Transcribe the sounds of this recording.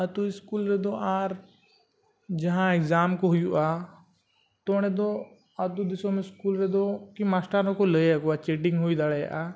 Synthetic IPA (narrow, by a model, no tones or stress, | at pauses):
ɐt̪uɪskuːlɾed̪oʔaːɾ | d͡ʒɐɦãekzaːmkoɦʊjua | t̪oːɽ̃ẽd̪o | ɐd̪ud̪ɪsõmẽskuːlɾed̪okimaːsʈaɾõkoləeakoat͡ʃeːʈɪ̃ŋɡɦuid̪aɽeʔa